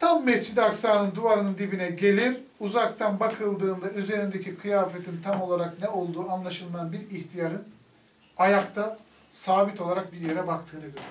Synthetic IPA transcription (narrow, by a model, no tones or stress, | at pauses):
t̪ʰamːɛst͡ʃit̪aksaːnɯnd̪uvaɾɯnɯnd̪ibinɛɟe̞lʲiɾ | uzakt̪ʰanbakʰɯlˠd̪ɯːnd̪ayze̞ɾind̪e̞cʰikʰɯjaːfet̪ʰint̪ʰamo̞lˠaɾaknɛo̞lˠd̪uːanlˠaʃɯlˠmajanbiɾiçt̪ʰijaɾɯn | ajakt̪ʰa | saːbit̪ʰo̞lˠaɾak̚biɾje̞ɾɛbakt̪ʰɯːnɯɟøɾɛ